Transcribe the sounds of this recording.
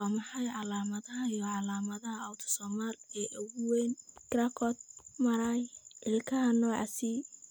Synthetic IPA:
waːmɑħɑjʕɑlaːmɐðɐɦɐijɔʕɑlaːmɐðɐɦɐɐwt̪ʰɔ̥sɔːmalɛːʔʊɣʊwɛnkɾakʰɔt̪̚mɐɾajʔɪlkʰɐɦɐnɔːʕɑ̰si

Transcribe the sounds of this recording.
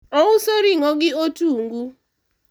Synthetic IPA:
ɔwʊsoɾiŋɔɡɪotuŋɡu

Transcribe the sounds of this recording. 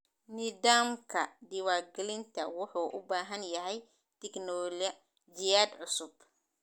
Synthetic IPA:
nɪðaːmkʰɐd̪ɪwaːrɡɛlɪnt̪ʰɐwʊħuːʔʊbaːɦɐnjɐɦɛj | t̪ʰɛknɔːlɐ | d͡ʒɪjaːd̪ʕʊsʊb

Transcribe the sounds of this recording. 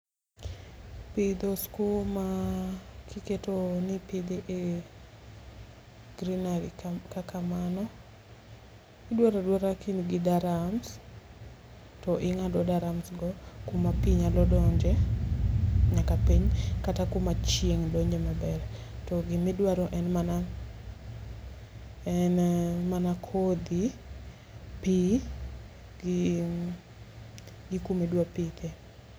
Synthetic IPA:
pid̪oskuma | kʰiketonipid̪iʔe | ɡ̥ɾinaɾikakamanɔ | ɪdwaɾadwaɾakinɡɪdaɾams | tɔʔɪŋadɔdaɾamsɡɔkumapiɲalɔdɔɲd͡ʒɛ | ɲakapiɲkatakumat͡ʃjeŋdoɲd͡ʒemabɛr | tɔɡɪmidwaɾɔʔɛnmana | ɛnmanakʰod̪i | pi | ɡ | ɡikumedwapit̪e

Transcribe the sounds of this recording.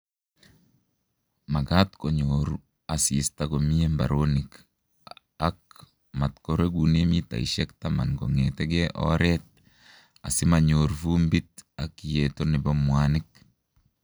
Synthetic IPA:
maɡatkoɲoɾu | asistaɡomiemba̰ɾonik | ak | matkoɾeɡunemita̰ḭʃɛktama̰nɡoŋetɛɡɛʔɔ̰ɾɛt̪̚ | a̰sɪmaɲoɾvumbit̚akjetonɪbɔmwanɪk̚

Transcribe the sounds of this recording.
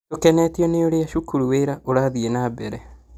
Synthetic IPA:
tokɛnɛtiɔneoɾeaʃukuɾuweɾaʔoɾaðienabɛɾɛ

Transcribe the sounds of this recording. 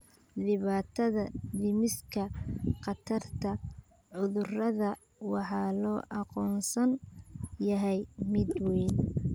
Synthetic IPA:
lɪβaːt̪ʰɐðɐd̪ɪmɪskʰɐqɑt̪ʰɐrt̪ʰɐ | ʕʊðʊrɐðɐ | wɑħɑːlɔːʔɑqɔːnsɐnjɐɦɛjmɪd̪wɛn

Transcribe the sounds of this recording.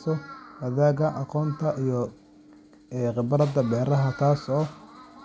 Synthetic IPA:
sɔwɐðaːɣɐʔɑqɔːnt̪ʰɐʔijɔ | qɪbɐɾɐd̪ɐbɛːɾɐɦɐt̪ʰaːsɔː

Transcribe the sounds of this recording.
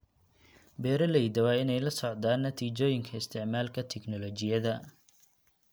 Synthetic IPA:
bɛːɾɐlɛjd̪ɐwaːɪnɛjlɐsɔʕd̪aːnːɐt̪ʰiːd͡ʒɔːjɪŋkʰɐɪst̪ʰɪʕmaːlkʰɐt̪ʰɛknɔlɔt͡ʃɪjɐðɐ

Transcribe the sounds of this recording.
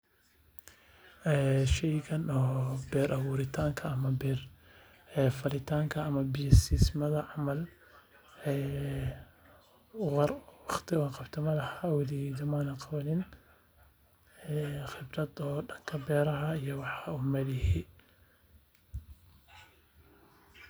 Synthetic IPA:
ɛːʃɛjkɐnɔːbɛːɾʔɐβuːɾɪt̪ʰaːŋkʰɐːmɐbɛr | fɐlɪt̪ʰaːŋkʰɐːmɐbɪjɐsismɐðɐʕɑmɐl | ɛː | ʊɑrwɑχt̪ʰɪwɑːqɑbt̪ʰɪmɐlɐhaːwɐlɪjd̪ɐmaːnɐqɑβɐnɪn | ɛχɪbɾɐd̪ɔːɖɐŋkʰɐbɛːɾɐɦɐijɔwɑħɑʊmɐdɪhi

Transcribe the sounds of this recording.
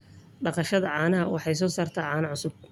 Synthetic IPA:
ɖɑqɑʃɐðɐʕɑːnɐɦɐwɑħɑjs̬ɔːsaːrt̪ʰaːʕɑːnɐʕʊsʊb̚

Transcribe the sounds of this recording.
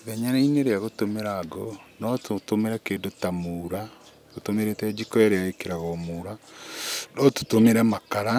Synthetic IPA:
ðɛɲanaineɾeaɣotomeɾaːɡo̰nɔtotomeɾɛkeːndotamuːɾa | ɣotomeɾetɛd͡ʒikɔaɾeaekeɾaɣɔmuɾa | nɔtu̥tomeɾɛmakaɾa

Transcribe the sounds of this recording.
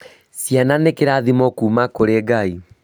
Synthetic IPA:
sjananekeɾaðimɔkuːmakoɾeɡai

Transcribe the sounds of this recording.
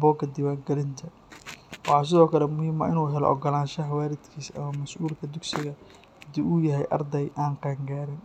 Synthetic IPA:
bɔːɡʰɐd̪ɪwaːŋɡɛlɪnt̪ʰɐ | wɑħɑːs̬ɪðɔːkʰɐlɛmʊhiːmɐ̰ʔɪnuːɦɛlɔ̰ʔɔ̰ɡɔlaːnʃɐɦawaːɾɪd̪kʰiːsɐ̰mɐmɐsʔuːlkʰɐd̪ʊɡsɪɣɐ | hɐd̪ɪuːjɐɦɛjʔɑ̰rd̪ɛjʔaːŋqɑːŋɡaːɾɪn

